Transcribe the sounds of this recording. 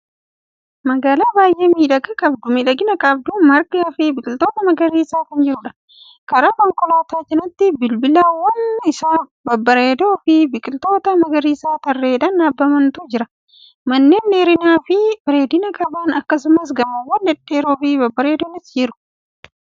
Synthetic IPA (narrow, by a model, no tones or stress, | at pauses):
mɐɡaːlaːbaːjʔe̞ːmiːᶑɐɡɐkʼɐbd̪ʊmiᶑɐɡɪnɐkʼɐb̚d̪umɐɾkɐfɪbɪkʼɪlt̪o̞ːt̪ɐmɐɡɐɾiːsaːkɐnd͡ʒɪɾʊᶑɐ̥ | kɐɾaːkɔŋkʼɔlaːt̪aːt͡ʃɛnɐt̪ːɪbɪlbɪlaːwːɐnɪsaːbɐbːɐɾe̞ːd̪oːfɪbɪkʼɪlt̪o̞ːt̪ɐmɐɡɐɾiːsaːt̪ɐrːeːᶑɐnaːbːɐmɐnt̪ʊd͡ʒɪɾɐ | mɐnːeːnːeːɾɪnaːfɪbɪɾe̞ːd̪ɪnɐkʼɐbaːnɐkːɐsʊmɐs̬ɡɐmɐwːɐnːɛᶑe̞ːɾoːfɪbɐbːɐɾe̞ːd̪oːnɪsd͡ʒɛɾʊ̥